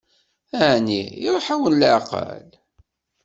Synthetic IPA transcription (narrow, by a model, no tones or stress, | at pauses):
æʕniɾˤoħawənlʕqə̰l